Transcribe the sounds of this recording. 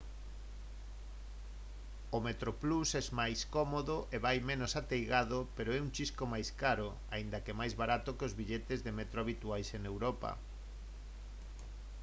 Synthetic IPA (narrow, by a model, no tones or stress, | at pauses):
omet̪ɾoplusɛzmajskɔmoðoʔeβajmenosat̪ejɣaðopeɾoɛuŋt͡ʃiskomajskaɾo | aind̪ɐkemajzβaɾat̪okeozβiʎet̪ezðemet̪ɾoaβit̪uajsenewɾɔpɐ̰